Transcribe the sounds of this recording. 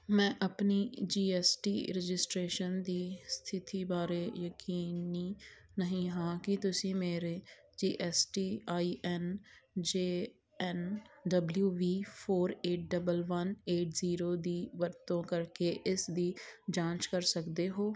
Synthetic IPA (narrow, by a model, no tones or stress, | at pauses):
mɛ̃ːʔəpniːd͡ʒiːɛsʈḭːɾɛd͡ʒɪsʈɾeːʃənd̪iːst̪ʰɪt̪iːbaːɾeːjəkiːniː | nəɦĩːɦãːkɪt̪ʊsĩːmeːɾeː | d͡ʒiːʔɛːsʈiːaːiːʔɛnd͡ʒeː | ɛnɖəbljuːʋiːpʰoːɾeːʈ̚ɖəbəlʋəneːʈziːɾoːd̪iːʋəɾt̪õːkəɾkeːʔɪsd̪iːd͡ʒãːt͡ʃkəɾsəkd̪eːɦoː